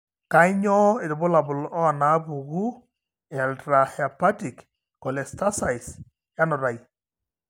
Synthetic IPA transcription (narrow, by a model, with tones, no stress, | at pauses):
ka˦i˦ɲɔ˦e˨dʊ˨bʊ˦la˨bʊ˨lɔ˦˨na˦bu˨ɡu˦˨ | a˨ltɾa˨hɛa˨pa˦ti˨k | kɔ˨lɛ˨sta˦sa˨js | ja˦nʊ˨ɾa˨j